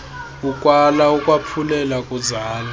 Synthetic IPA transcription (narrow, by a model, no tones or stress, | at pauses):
ukʼwalaukʼwapʰulɛlakʼuzaːla